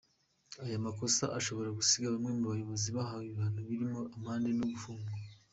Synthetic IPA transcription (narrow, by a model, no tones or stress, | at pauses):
ajamako̞sa̰ʔaʃo̞βo̞ɾaɡusiɡaβamŋe̞muβajo̞βo̞ziβaɦawiββaːnuβiɾimoʔamaːnde̞noɡufuːŋɡua